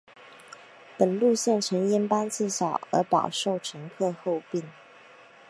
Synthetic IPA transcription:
pə˨˩nlu˥˧ɕjɛ˥˩nʈ͡ʂʰə˧˥ŋjɛ˧˥npa˥nt͡sɹ̩˥˩ʂɑ˨˩ʊə̰˞˧˥pɑ˨˩ʊʂo˥˩ʊʈ͡ʂʰɤ˧˥ŋkʰɤ˥˧xo˥˧ʊpi˥˩ŋ

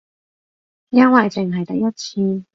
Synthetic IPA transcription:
jaː˥waː˨˩jt͡sɪ˨˩ŋɦɐ˨˩jt̪ɐ˨˩jɐ˥t̚t͡sʰiː˧

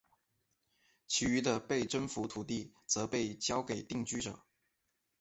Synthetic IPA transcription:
t͡ɕʰi˧˥y˧˥d̪ə˧pe˥˩ɪʈ͡ʂə˥nfu˧˥t̪ʰu˨˩t̪i˥˩t͡sɤ˧˥pe˥˩ɪt͡ɕjɑ˥ʊke˨˩ɪt̪i˥˩ŋt͡ɕy˥ʈ͡ʂɤ̰˨˩˦

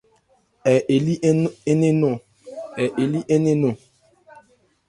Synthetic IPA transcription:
ɛ˨ʔe˨li˦ʔe˦ne˦nɔ˨ | ɛ˨ʔe˨li˦ʔe˦ne˦no˨

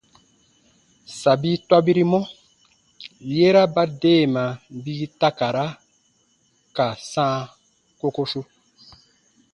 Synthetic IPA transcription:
sa˨bi˦twa˦bi˦ɾi˦mɔ˦ | je˦ɾa˦ba˦deː˦˨mã˨bi˦ta˦ka˨ɾa˦ | ka˨sãː˦ | ko˦ko˦su˦

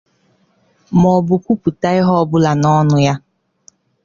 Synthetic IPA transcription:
mɔ˨bʊ˨kʷu˦pu˨ta˦ɪ˦ɦɔ˦bʊ˦la˨nɔ˦nʊ˦ja˦

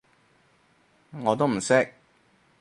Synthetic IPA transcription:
ŋɔː˨˧t̪o˥wm̩˨˩sɪ˦˥k̚

